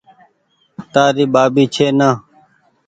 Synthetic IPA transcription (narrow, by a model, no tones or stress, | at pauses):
t̪aːɾiːbaːbiːt͡ʃʰeːnaː